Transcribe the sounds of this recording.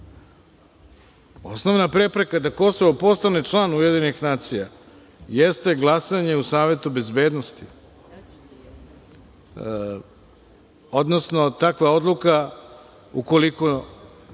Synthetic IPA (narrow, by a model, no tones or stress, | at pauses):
o̞sno̞ʋnapɾe̞pɾe̞kad̪ako̞soʋo̞po̞st̪anet͡ʃlˠaːnuje̞d̪inixnaːt̪sija | jest̪e̞ɡlˠasaɲe̞usaːʋe̞t̪ube̞zbe̞ːd̪nost̪i | o̞d̪no̞sno̞t̪akʋao̞d̪lˠuka | uko̞liko